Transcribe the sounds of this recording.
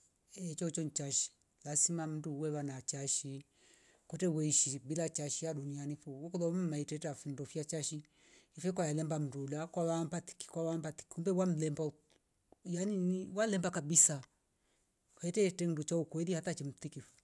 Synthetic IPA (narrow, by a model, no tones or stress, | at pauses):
ɛt͡ʃɔt͡ʃɔn̩t͡ʃaʃi̥ | lasimam̩duwɛwanat͡ʃaʃi | kɔtɛwɛiʃibilat͡ʃaʃiaɗunianifuwɔkɔðɔmmaitɛtafundɔfiat͡ʃaʃi | ifɛkwajalɛmbam̩dulakwawambati̥ki̥kwawambat̪i̥kumbɛwam̩lɛmba | janiniwalɛmbakabisa | kɛtɛtɛndut͡ʃaukɔɛðihatat͡ʃɛm̩t̪ikif